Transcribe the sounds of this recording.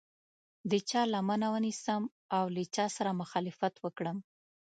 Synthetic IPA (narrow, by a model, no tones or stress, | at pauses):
d̪ət͡ʃɑlamanawənisəm | awlət͡ʃɑsaɾamʊxɑlɪfat̪wəkɽəm